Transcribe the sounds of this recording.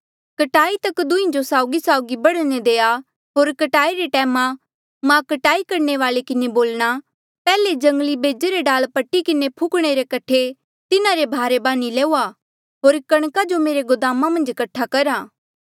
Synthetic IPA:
kɐʈaːit̪ɐkd̪ʊĩd͡ʒosaːʊɡisaːʊɡibɐɽned̪eːa | ɦoːɾkɐʈaːiɾeʈɛːmã | mãkɐʈaːikɐɾɳeʋaːlekɪneboːlɽ̃a | pɛːled͡ʒɐ̃ŋɡlibeːd͡ʒeɾeɖaːlpɐʈːikɪnepʰʊkɽ̃eɾekɐʈʰe | t̪ɪnãɾebʱaːɾebãːnilɛːuːa | ɦoːɾkɐɽ̃kad͡ʒomeːɾeɡʊd̪aːmamɐ̃nd͡ʒkɐʈʰːakɐɾaː

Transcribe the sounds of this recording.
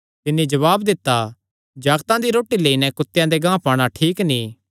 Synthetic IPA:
t̪ɪnːid͡ʒɐʋaːbd̪ɪt̪ːa | d͡ʒaːɡt̪ãd̪iɾoːʈːileːinɛkʊt̪ːjãd̪eɡãːpaːɽ̃aʈʰiːkniː

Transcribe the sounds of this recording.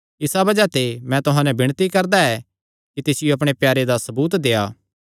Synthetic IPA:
ɪsabɐd͡ʒat̪emɛ̃t̪ʊɦãːnɛbɪɽ̃t̪ikɐɾd̪aɛ | kit̪eːsɪjoɐp̬ɽ̃epjaːɾed̪asɐbuːt̪d̪eːaː

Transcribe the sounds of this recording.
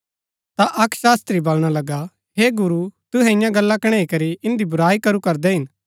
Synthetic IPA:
t̪aʔɐkʃaːst̪ɾibɐlɽ̃alɐɡa | ɦeːɡʊɾut̪ʊɦɛɪjãɡɐlːakɐɽ̃eːikɐɾiɪ̃nd̪ibʊɾaːikɐɾukɐɾd̪ɛɦɪn

